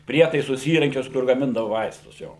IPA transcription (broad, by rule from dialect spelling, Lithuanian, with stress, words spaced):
ˈpʲrʲiɛtɐɪsʊs ˈiːrɐŋʲkʲʊs kʊr ɡɐˈmʲɪndɐʋoː ˈʋɐɪstʊs ˈjoː